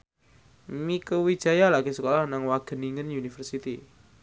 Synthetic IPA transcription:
mikəwid̥ʒ̥a̤jalaɡ̥isəkɔlahnaŋwaɡ̥ə̤niŋənjunifərsit̪ḭ

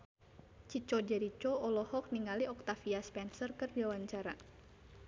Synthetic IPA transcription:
t͡ʃit͡ʃɔd͡ʒɛɾit͡ʃɔɔlɔhɔk̚niŋaliɔk̚t̪afiaspɛnsərkɨrdiawaɲt͡ʃaɾa

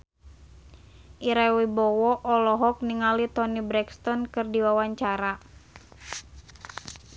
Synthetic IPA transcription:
ʔiɾawibɔwɔʔɔlɔɦɔk̚niŋalit̪ɔnibɾɛkst̪ɔnkɨrdiwawaɲt͡ʃaɾa

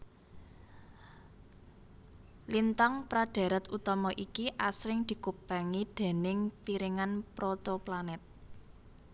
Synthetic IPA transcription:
lint̪ɔŋpɾaɖ̪̥a̤ɾət̪ut̪ɔmɔʔikiʔasɾɪŋd̪̥i̤kub̥aŋid̪̥e̤nɪŋpiɾɪŋanpɾot̪oplanɛt̪̚

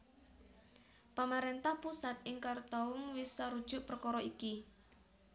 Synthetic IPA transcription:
pamaɾent̪ahpusat̪̚ɪŋkart̪ɔʊŋwɪsːaɾud̥ʒ̥ʊ̤ʔpərkɔɾɔiki

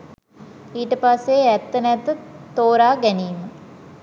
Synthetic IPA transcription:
iːʈəpasːeæt̪ːənɛt̪ət̪oːɾaːɡæniːmə

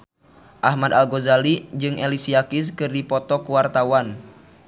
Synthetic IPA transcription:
ʔahmad̪alɡɔzalid͡ʒɨŋʔɛlisiakis̬kɨrdipɔt̪ɔkuwart̪awan

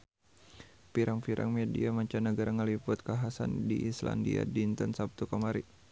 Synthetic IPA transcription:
piɾaŋfiɾʔa̰ŋmediamaɲt͡ʃanəɡaɾaŋəlipʊt̪̚kaɦasa̰ndiʔisla̰ndia̰dint̪ənsap̚t̪ukamaɾi

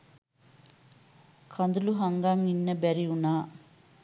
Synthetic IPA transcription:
kʰɐnd̪uluɦɐŋɡaːŋinːɐbɛɾiunaː

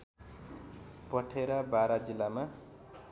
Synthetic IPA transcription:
pʌʈʰeɾabaɾad͡zilːama

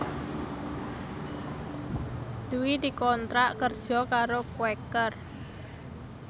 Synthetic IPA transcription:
d̪̥uwid̪i̤kɔnt̪ɾaʔkərd̥ʒ̥ɔ̤kaɾokuwɛkər

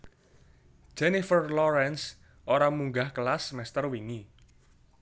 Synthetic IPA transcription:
ʒ̥ɛnifərlɔɾɛns | ʔoɾamuŋɡahkəlasmɛst̪ərwiŋi

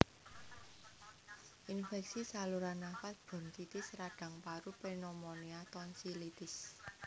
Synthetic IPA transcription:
ʔinfɛksisaluɾanafat̪̚b̥ɔ̤nt̪it̪ɪsɾaɖ̥a̤ŋpaɾupenɔmɔniat̪ɔnsilit̪ɪs

